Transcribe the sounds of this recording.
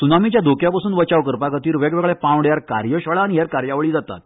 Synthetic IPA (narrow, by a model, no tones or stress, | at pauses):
sunamit͡ɕjad̪ʱokjapasuːnʋət͡ɕaʋkəɾpakət̪iːɾʋeɡʋɛɡɭɛpãwɽjaɾkaɾjəɕəɭaːniɦjaɾkaɾjaʋɭiːd͡zat̪a̰t̪̚